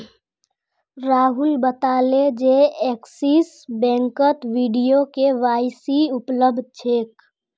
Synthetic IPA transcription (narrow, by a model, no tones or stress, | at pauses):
ɾaːɦʊlbət̪aːled͡ʒeeːksiːs | bɛ̃ːŋkət̪ʋiɖijokeʋaːɪsiʊpləb̚d̪̚ʱt͡ʃʰeːk